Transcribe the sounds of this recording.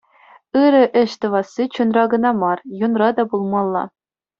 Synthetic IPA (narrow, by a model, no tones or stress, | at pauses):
ɯɾɤ̆ʔɘ̆ɕt̪ɤ̆ʋɑsːit͡ɕunrɑɡɤ̆nɑmɑrjunrɑd̪ɑbulˠmɑlˠːɑ̰